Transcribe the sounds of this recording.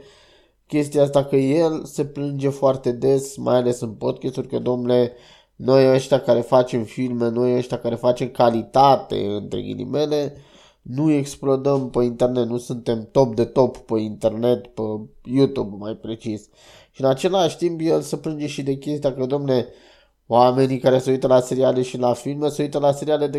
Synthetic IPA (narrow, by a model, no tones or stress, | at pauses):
kʲe̞st̪ias̬t̪akəje̞lse̞plɨnd͡ʒe̞foart̪e̞d̪e̞sma̰jale̞sɨnpod̪kʲest̪uɾʲkəd̪omnle̞ | no̞jəʃt̪ʲakaɾe̞fat͡ʃe̞mfilme̞no̞jəʃt̪ʲakaɾe̞fat͡ʃe̞mkalit̪at̪ḛɨnt̪ɾḛḭnḭme̞le̞ | nue̞ksplod̪əmpəint̪ernet̪nusunt̪e̞mt̪o̞p̚d̪e̞t̪o̞ppəint̪e̞rne̞t̪pəjut̪ubmajpɾe̞t͡ʃis | ʃiɨnat͡ʃe̞laʃʲt̪impjelsəpɾɨnd͡ʒeʃid̪e̞kʲe̞st̪iakəd̪omne | oame̞nikaɾesəujt̪əlaseɾialeʃilafilmesəujt̪əlase̞ɾialed̪e